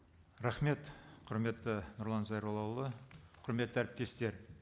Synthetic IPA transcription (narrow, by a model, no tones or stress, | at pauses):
ɾɑχme̞t̪qʰʊɾme̞t̪ːɪnʊɾlˠɑnzɑjɾolˠɑwlˠəqʰʊɾme̞t̪ːəæɾɪp̚t̪e̞st̪e̞ɾ